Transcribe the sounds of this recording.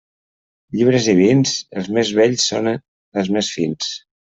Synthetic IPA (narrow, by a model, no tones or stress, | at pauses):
ʎiβ̞ɾəzðiβ̞insəlˠzmezβɛʎsːo̰n | əlˠzmesfins